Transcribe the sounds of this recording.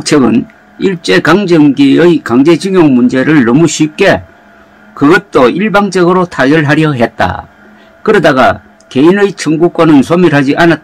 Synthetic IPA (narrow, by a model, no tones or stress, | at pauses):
kt͡ɕʰʌɡɯn | iɭt͡ɕ͈e̞kaŋd͡ʑʌŋɡiɯjkaŋd͡ʑe̞d͡ʑiŋjoŋmund͡ʑe̞ɾɯɭnʌmuɕʰip̚k͈e̞ | kɯɡʌt̚t͈oiɭbaŋd͡ʑʌɡɯɾotʰaɡjʌɭɦaɾjʌɦet̚t͈a̰ | kɯɾʌdaɡa̰ | ke̞inɯit͡ɕʰɯŋɡuk͈wʌnɯnsʰomiɾɦad͡ʑiʔanat̚t͈